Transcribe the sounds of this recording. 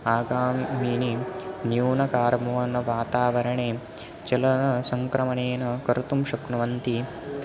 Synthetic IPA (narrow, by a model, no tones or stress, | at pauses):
aːɡaːmiːninjuːnɐkaːɾmɐɐnɐʋaːt̪aːʋɐɾɐɳeː | t͡ʃɐlɐnɐsɐŋkɾɐmɐneːnɐkɐɾt̪umʃɐknɐʋɐnt̪i